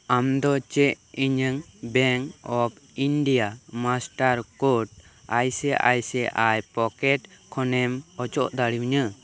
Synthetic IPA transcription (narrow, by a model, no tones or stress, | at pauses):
amd̪ɔt͡ʃɛʔ | iɲəŋbɛŋkɔpiɳɖijamasʈaɾkoʈajsɛʔa̰jsɛʔajpɔkɛʈkʰɔnɛmɔt͡ʃɔʔd̪aɽiwɲə